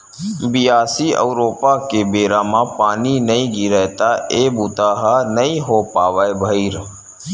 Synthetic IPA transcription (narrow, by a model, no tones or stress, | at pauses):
bijaːsiə̰ʊɾoːpakebeːɾamãpaːninəĩɡiɾɛɦt̪aeːbʊt̪aːɦanəĩɦopaːʋaːebʱəiɾ